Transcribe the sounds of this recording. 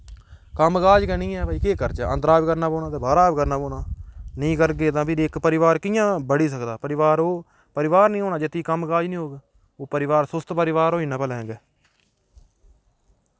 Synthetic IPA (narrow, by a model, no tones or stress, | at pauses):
kəmkaːd͡ʒkɛːnĩːɛːaiːkeːkəɾt͡ʃəə̰nd̪əɾaːʋkəɾnaːboːnaːt̪eːbaːɾaːʋkəɾnaːboːnaːnĩːkəɾɡeːt̪ãːpʰɪɾɪkpəɾɪʋaːɾkɪjãːbəɽiːsəkd̪aːpəɾɪʋaːɾoː | pəɾɪʋaːɾnĩːɦoːɳaːd͡ʒɪt̪ːiːkəmkaːd͡ʒnĩːɦoːɡeː | oːpəɾɪʋaːɾsʊst̪pəɾɪʋaːɾoːiːnãːpəlɛ̃ːɡɛː